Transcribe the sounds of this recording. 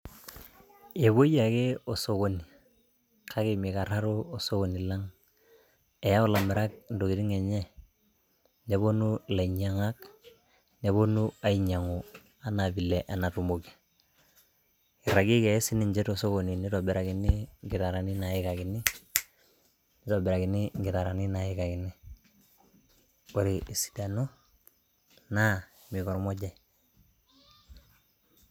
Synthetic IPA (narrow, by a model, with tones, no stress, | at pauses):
e˨βo˦ja˨ke˦o˨so˨ko˨ni˨ | kʰa˦ki˨mika˨ɾa˦ɾoo˨so˦ko˨ni˨la˦ŋ | e˨ja˦o˦la˨me˨ɾa˦k̚ndo˨ɡi˨di˦ŋe˨ɲɛ˦ | ne˨bo˦nu˦la˨iɲa˦ŋa˦k̚ | ne˨bo˦nu˦a˨i˨ɲa˨ŋo | a˨nabi˨lɛʔa˨na˨tu˨mo˨ki̥˨ | i˨ɾa˨ɡi˦kɛ˨i˦si˦ni˨ɲd͡ʒɛ˦toso˦ko˨ni˨ni˦tobɛ˨ɾa˨ki˨ni˦ŋɡɪ˨ta˨ɾa˨ni˦na˨i˦ka˨kɪ˨ni˦ | nito˨bɛ˨ɾa˨ɡi˨ni˦ŋɡɪ˨ta˨ɾa˨ni˦na˨ika˨kɪ˨ni˦ | ko˨ɾi˨ʔi˨si̥˨da˨no˦ | na˦ | mi˨kɔ˨ɾmɔ˦ɟa˨j